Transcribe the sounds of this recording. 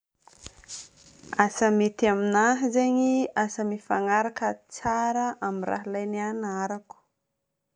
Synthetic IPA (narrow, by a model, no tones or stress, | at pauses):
asəmet̪iaminaɦizeɲiasəmifaŋaɾakət͡saɾəʔamira̰ɦilajnianaɾaku̥